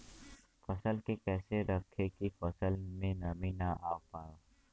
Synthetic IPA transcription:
fəsəlkekɛːseɾəkʰekifəsəlmẽnɐmĩnaʔaːwpaːo

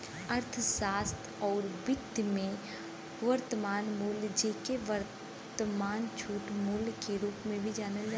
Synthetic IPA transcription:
ɐɾt̪ʰsaːst̪ʰɔːɾbɪd̪ʱjmẽ | ʋɐɾt̪əmaːnmuːld͡ʒeːkeʋəɾ | t̪əmaːnt͡ʃʰuːʈmulkeɾuːpmẽbʱid͡ʒaːnəld͡ʒaː

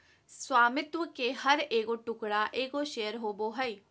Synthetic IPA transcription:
swaːmɪt̪wəkehɐɾeːkoʈʊkɽaʔeːkoʃeːəɾɦoːboɦəi

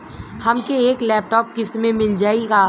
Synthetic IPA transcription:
hɐmkeeːklɛːp̚ʈɔːp̚kɪsmẽmɪld͡ʒaːiɡaː

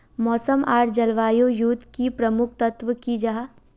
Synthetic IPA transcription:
mɔːsəmaːɾd͡ʒɐlʋaːjojuːt̪kipɾɐmʊkʰt̪ɐt̪ʋəkid͡ʒɐɦa

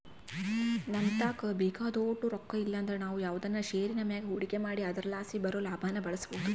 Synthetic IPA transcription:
nɐnt̪aːkɐbeːkaːd̪oːʈːuɾɔkːɐilːɐːnd̪ɐɾenaːʋujaːʋud̪ɐnːɐʃeːɾinɐmjaːɡeɦuɽiɡe̞maːɽiɐd̪ɐɾɐlaːsibɐɾoːlaːbʱaːnɐbɐɭɐsboɦud̪u

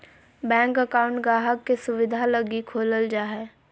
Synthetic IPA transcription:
bɛ̃ːŋkəkaʊ̃ɳʈɡaːɦəkːesʊʋɪd̪ʱaləɡikʰoːləld͡ʒaːɦɛː

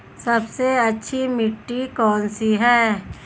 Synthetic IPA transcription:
sɐbseɐtːʃʰimɪʈːikɔːnsiɦɛː

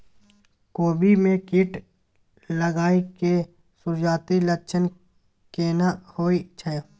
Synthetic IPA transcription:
koːbimẽkɪʈ | ləɡaːike | sʊɾd͡ʒaːt̪iləkt͡ʃʰən | keːnahoːit͡ʃʰə

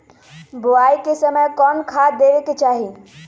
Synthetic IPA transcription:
buajkesəməjkɔnkʰad̪eʋeket͡ʃaɦi

